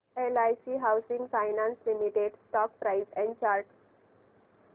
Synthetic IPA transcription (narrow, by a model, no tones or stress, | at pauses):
elajsiɦawsĩŋɡfajnãnslimiʈeɖsʈɔk̚pɾaɪzɛ̃ɳɖt͡ɕaɾʈ